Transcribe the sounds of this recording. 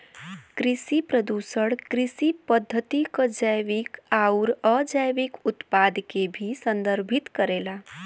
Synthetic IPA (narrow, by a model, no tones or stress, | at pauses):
kɾisipɾəd̪usəɽkɾisipəd̪ʱːət̪ikəd͡ʒəjʋikauɾəd͡ʒəjʋikʊt̪pad̪kebʱisə̃nd̪əɾbʱit̪kəɾela